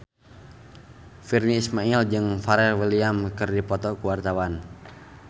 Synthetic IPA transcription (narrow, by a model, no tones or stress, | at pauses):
firniːsmaild͡ʒɨŋfaɾɛlwiliamkɨrdipɔt̪ɔkuwart̪awan